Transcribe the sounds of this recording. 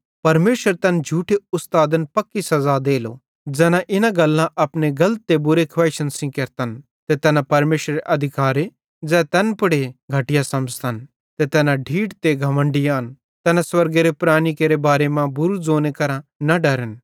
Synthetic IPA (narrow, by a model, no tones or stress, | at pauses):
pɐɾmeːʃəɾt̪ɐnd͡ʒʱuːʈʰeʊst̪aːd̪ənpɐkːisɐzad̪eːlo̰ | d͡zɛːnãʔɪnãɡɐlːãʔɐpneɡɐlət̪ːebʊɾekʰʋɛːʃənsĩkɐɾt̪ən | t̪et̪ɛːnãpɐɾmeːʃɾeʔɐd̪ʱɪkaːɾe | d͡zɛːt̪ɛnpʊɽeɡʱɐʈɪjasɐməd͡ʒt̪ən | t̪et̪ɛːnãɖʱiːʈt̪eɡʱɐmə̃ɳɖɪjaːn | t̪ɛːnãswɐɾɡeɾepɾaːnikeɾebaːɾemãbʊɾud͡zoːnekɐɾãnɐɖɐɾən